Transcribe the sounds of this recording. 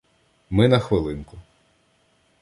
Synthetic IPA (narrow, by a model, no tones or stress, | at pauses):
mɪnɐxʋɪlˠɪnkʊ